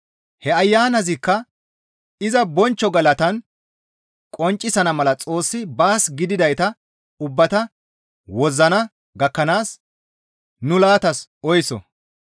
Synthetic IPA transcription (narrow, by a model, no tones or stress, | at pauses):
hɛɐjːaːnɐzɪkːɐ | ɪzɐbɔnt͡ʃːɔɡɐlɐt̪ɐn | kʼɔnt͡ʃʼːɪsɐnɐmɐlɐt͡sʼo̞ːsːɪbaːsɡɪd̪ɪd̪ɐjt̪ɐ | ʊbːɐt̪ɐ | wɔzːɐnɐ | ɡɐkːɐnaːs | nʊlaːt̪ɐsɔjsɔ̰